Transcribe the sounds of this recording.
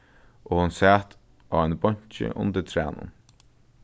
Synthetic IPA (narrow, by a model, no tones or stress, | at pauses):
ʔoːhʊnsæːt̪ | aːɛnbɔɲ̥t͡ʃə̰ʔʊnt̪ət̪ʰɾæːnʊ̰n